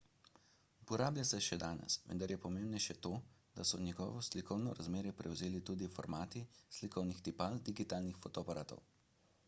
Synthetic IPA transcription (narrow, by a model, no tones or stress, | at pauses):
upɔɾaːblʲjasɛʃɛd̪aːnɛ̰sʋə̰nd̪aɾjɛpɔmeːmbnɛʃɛt̪oːd̪asɔnjɛɡɔ̰ːʋɔslikʰɔwnɔɾazmeːɾjɛpɾɛwzeːlit̪uːd̪ifɔɾmaːt̪islikʰɔwnixt̪ipald̪iɡit̪aːlnixfɔt̪ɔpaɾaːt̪ɔ̰w